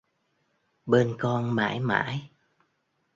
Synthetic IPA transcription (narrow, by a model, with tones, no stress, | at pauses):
ɓe˧nkɔ˧nma̰ː˧˥jma̰ː˧˥˦j